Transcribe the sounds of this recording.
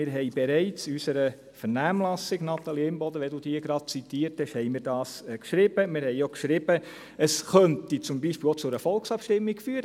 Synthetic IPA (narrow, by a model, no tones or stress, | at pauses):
ɪɾɦɛɪbɛɾɛɪt͡sysəɾə | fɛɾnæːmlɑsɪɡnɑt̪ɑliɪmbɔd̪əʋɛd̪ud̥̪iːəɡɾɑd̥̚t͡sit̪iːɾthɛʃhɛɪmɪːɾd̥ɑːskʃɾɪb̥əmɪɾhɛɪokʃɾɪbə | əsχœntit͡sʊmbiːʃpiːlot͡sʊɾəfɔlksɑpʃtɪmːikfyːəɾ